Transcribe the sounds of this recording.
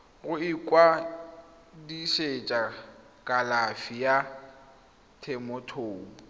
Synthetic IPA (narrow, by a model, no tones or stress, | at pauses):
ɣʊɪkʼwa | diʃet͡ʃʼa | kʼalafija | tʰɛmɔtʰoːu